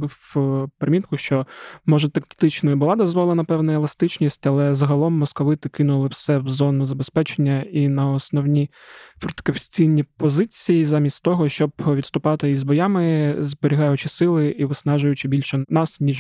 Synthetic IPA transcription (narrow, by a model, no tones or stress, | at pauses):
bɪwpɾemʲit̪̚kʊʃt͡ʃɔmɔʒɐt̪ɐkt̪ɪt͡ʃnɐjɐbʊlˠɑd̪ɔzʋɔlˠenɐpɛwnɐelˠɐst̪ɪt͡ʃnʲisʲtʲɐlˠɛzɐɦɐlˠɔmːɔskɔʋɪt̪ɪkɪnʊlˠɪwsɛwzɔnʊzɐbespɛt͡ʃenʲːɐinɐɔsnɔwnʲi | fɾt̪kɐfʲt͡sʲijnʲipɔzɪt͡sʲijizamʲisʲtʲt̪ɔɦɔʃt͡ʃɔbʋʲid̪st̪ʊpɑt̪ɪizbɔjɑmɪzbeɾʲiɦɑjʊt͡ʃɪsɪlˠɪiʋɪsnɑʒʊjʊt͡ʃɪbʲilʲʃɛnɑsnʲiʒ